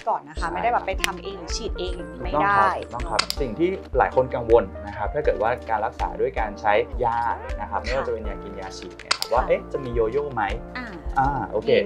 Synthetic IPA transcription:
kɔː˨˩nːa˦˥kʰa˦˥ma˥jda˥˩jbɛː˨˩pa˧jt̪ʰa˧mʔeː˧ŋja˨˩t͡ɕʰiː˨˩t̪̚ʔeː˧ŋja˨˩ŋniː˨˦˩ma˥˩t̪ɔː˥aː˥a˦˥˩jt̪ɔ˥˩ŋkʰa˦˥p̚si˨˩ŋt̪ʰiː˥˩la̰ː˩˦jkʰo˧nka˧ŋwo˧nːa˦˥kʰa˦˥p̚t̪ʰaː˥˩kɤː˨˩t̪̚waː˥˩kaː˧nlɾa˦˥k̚sa̰ː˩˦du˥˩əjkaː˧nt͡ɕʰa˦˥jjaː˧˩na˦˥kʰa˦˥p̚m˥˩˨waː˧t͡ɕa˨˩pe˧njaː˧ki˧njaː˧t͡ɕʰiː˨˩t̪̚na̰˥˩kʰa˦˥p̚waː˥˩ʔe˦˥t͡ɕa˨˩miː˧joː˧joː˥˩ma˦˥ja˧˩ʔaː˧˩ʔoː˧kʰeː˧

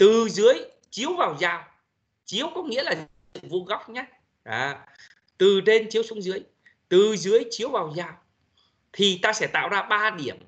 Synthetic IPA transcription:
t̪ɨ˨˩zɨ˨˦əj | t͡ɕi˨˦əwvaː˨˩wzaː˨˩w | t͡ɕi˨˦əwkɔ˨˦ŋḭ˧˥əlaː˨˩˨ | ŋvo˧ɣa˦˥wk͡p̚ɲa˦ | ʔaː˨˧˩ | t̪ɨ˨˩ɗe˧nt͡ɕi˨˦əwsʊ˨˦ŋ͡mzɨ˨˦əj | t̪ɨ˨˩zɨ˨˦əjt͡ɕi˨˦əwvaː˨˩wzaː˨˩w | t̪ʰi˨˩t̪aː˧sɛ̰˧˩t̪a̰ː˧˨wzaː˧ɓaː˧ɗi˧˩əm

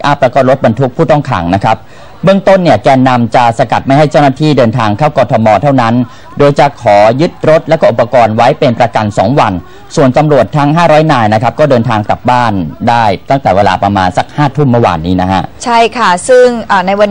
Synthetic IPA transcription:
ʔa˦˥˩p̚lɛ˦˥kɔː˥˩ɾo˦˥t̪̚ba˧nt̪ʰu˦˥k̚pʰuː˥˩t̪ɔ˥˩ŋkʰa̰˩˦ŋna˦˥kʰa˦˥p̚ | bɯ˥˩əŋt̪o˥˩nːi˥˩əkɛː˧nːa˧mt͡ɕa˨˩sa˧ka̰˨˩t̪̚ma˥˩jɦa˥˩jt͡ɕa˥˩wnaː˥˩t̪ʰiː˥˩dɤː˧nt̪ʰaː˧ŋkʰaː˥˩wkɔː˧t̪ʰɔ˧mɔː˧t̪ʰa˥˩wna˦˥n | doː˧jt͡ɕa˨˩kʰɔː˩˦jɯ˦˥t̪̚ɾo˦˥t̪̚lɛ˦˥kɔː˥˨ʔpːa˧kɔː˧nwa˦˥jpe˧npɾa˧ka˧nsɔː˩˦ŋwa˧n | su˨˩ənt̪a˧mɾu˨˩ət̪ʰːa˦˥ŋɦaː˥˩ɾɔː˦˥jnaː˧jna˦˥kʰa˦˥p̚kɔː˥˩dɤː˧nt̪ʰaː˧ŋka˨˩p̚baː˥˩ndaː˥˩jt̪a˥˩ŋt̪ɛː˨˩weː˧la̰ː˧pɾa˧ma̰ː˧nsa˩k̚haː˥˩t̪ʰu˥˩mːɯ˥˩wa̰ː˧nːiː˦˥na˦˥kʰa̰˦˥ʔt͡ɕʰa˥˩jkʰa˥˩sɯ˥˩ŋʔaː˨˩na˧jwa˧n

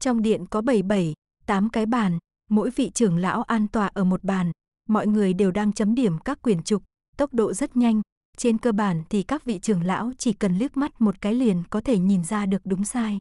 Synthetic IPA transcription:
t͡ɕɔ˧wŋ͡mɗḭ˧˨ənkɔ˨˦ɓə˧˩jɓə˧˩j | t̪aː˨˦mkaː˨˦jɓaː˨˩n | mo̰˧˥jvḭ˧˨t͡ɕɨ˧˩əŋla̰ː˧˥wʔaː˧nt̪waː˨˩ʔəː˧˩mo˨˩t̚ɓaː˨˩n | mɔ̰˧˨jŋɨ˨˩əjɗe˨˩wɗaː˧ŋt͡ɕə˨˦mɗi˧˩əmkaː˦˥kːwi˧˩ənt͡ɕʊ˨˩k͡p̚ | t̪ə˦˥wk͡p̚ɗo̰˧˨zə˦˥t̚ɲa˧jŋ̟ | t͡ɕe˧nkəː˧ɓaː˧˩nt̪ʰi˨˩kaː˦˥k̚vḭ˧˨t͡ɕɨ˨˧˩əŋla̰ː˧˥wt͡ɕi˧˩kə˨˩nlək̚ma˦˥t̚mo˨˩t̚kaː˨˦jli˨˩ənkɔ˨˦t̪ʰe˧˩ɲi˨˩nzaː˧ɗɨ˨˩ək̚ɗʊ˨˦ŋ͡msaː˧j

